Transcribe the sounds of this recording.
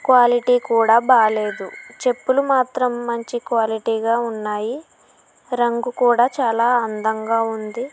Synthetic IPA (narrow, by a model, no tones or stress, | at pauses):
kʋaːliʈiːkuːɽaːbaːle̞ːd̪ut͡ʃe̞pːulumaːt̪ɾɐmːɐɲt͡ʃikʋaːliʈiːɡaːunːaːji | ɾɐŋɡukuːɽaːt͡ʃaːlaːɐnd̪ɐŋɡaːund̪i